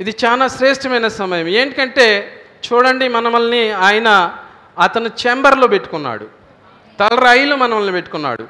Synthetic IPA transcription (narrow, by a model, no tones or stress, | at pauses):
id̪it͡ʃaːlaːʃɾeːʂʈɐmɐjnɐsɐmɐjɐme̞ːɳʈikɐɳʈe̞ːt͡ʃuːɽɐɳɖimɐnɐmɐlniaːjɐnɐː | t̪ɐnut͡ʃembɐɾloːpe̞ʈːu̥kunːa̰ːɽu | t̪ɐlɐɾɐjlumɐnɐmɐlnipe̞ʈːu̥kunːa̰ːɽṵ